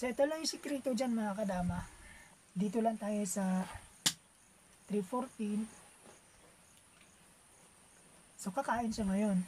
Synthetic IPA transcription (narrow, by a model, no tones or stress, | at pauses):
sɐɪt̪olajʊsɪkɾɛːt̪od͡ʒanmɐŋakɐd̪aːma | d̪iːt̪olɐŋt̪aːjosɐ | t̪ɾifoɾt̪in | sokɐkaːʔɪnʃaŋɐjo̞n